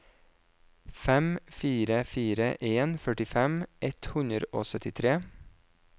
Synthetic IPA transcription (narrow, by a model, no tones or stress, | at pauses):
fɛmfiːɾəfiːɾəʔeːnfœʈɪfɛmʔɛt̪hʉnəɾoːsœt̪ɪt̪ʰɾeː